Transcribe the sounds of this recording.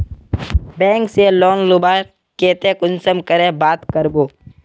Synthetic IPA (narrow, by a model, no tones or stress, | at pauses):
bẽːŋkseloːnlʊbaːɾ | keːt̪eːkʊnsəmkəɾẽbaːt̪kəɾboː